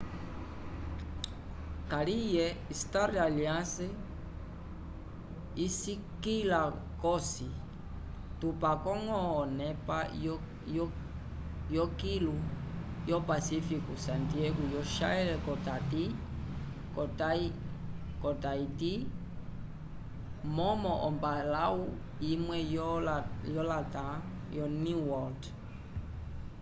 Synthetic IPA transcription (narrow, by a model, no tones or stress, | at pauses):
kalijɛistaɾaliãse | isikilakɔsi | tupakɔŋɔːnɛpa | j | jɔkilu | jɔpasifikusantiɛɡujɔʃa̰ɛlɛkɔtati | kɔtai | kɔtaiti | mɔmɔʔɔmbalau | imwɛjɔjɔlata | jɔniwɔlt